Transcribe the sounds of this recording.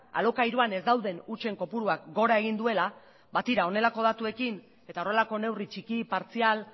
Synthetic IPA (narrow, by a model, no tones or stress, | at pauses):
a̰lo̞kajɾoane̞zd̪awðe̞nut͡ʃe̞ŋko̞puɾuakɡo̞ɾaeɣ̞ind̪ue̞la | βat̪iɾao̞ne̞lako̞ð̞at̪ue̞kin | e̞t̪aore̞lako̞ne̞writ͡ʃikipaɾt͡sial